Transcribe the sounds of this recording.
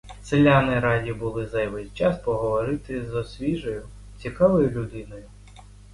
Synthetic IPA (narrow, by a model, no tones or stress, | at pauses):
selʲːanɪɾɑdʲibʊlˠɪzɐjʋɛsʲt͡ʃɑspɔɦɔʋɔɾɪt̪ɪzɔsʲʋʲiʒɔjʊ | t͡sʲikɑʋɔjʊlʲʊd̪ɪnɔjʊ